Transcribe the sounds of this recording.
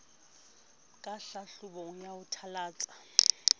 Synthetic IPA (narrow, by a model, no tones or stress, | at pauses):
kʼaɬaɬʊboŋ̩jaʊtʰalaːt͡sʼḁ